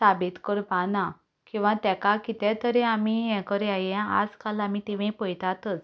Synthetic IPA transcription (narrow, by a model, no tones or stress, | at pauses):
sabit̪kəɾpana | kĩw̃ʋãt̪ɛkakit̪ɛt̪əɾeamiɛ̃kəɾɛaɦjɛ̃a̰d͡zkalamit̪iʋẽpəjt̪at̪ət͡s